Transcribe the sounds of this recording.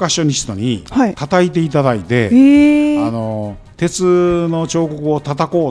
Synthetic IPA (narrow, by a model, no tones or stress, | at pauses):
kaɕo̞ɲʲisi̥t̪oɲ̟ihait̪at̪ait̪̬e̞it̪ad̪ait̪e̞̰ | ano̞ | t̪e̞t͡sɨno̞t͡ɕo̞ːko̞kɯ̟o̞t̪at̪ako̞ː